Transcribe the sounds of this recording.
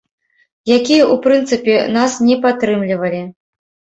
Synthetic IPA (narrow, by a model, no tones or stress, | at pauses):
jakʲijɐupɾɨnt̪sɨpʲɛnasnʲɛpat̪ːɾɨmlʲivɐlʲi